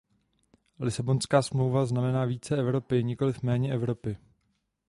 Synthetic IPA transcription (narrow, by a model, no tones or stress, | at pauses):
lɪsabo̞nskaːsmlo̞wvaznamɛnaːviːt͡sɛɛvɾo̞pɪɲɪko̞lɪfmɛːɲɛʔɛvɾo̞pɪ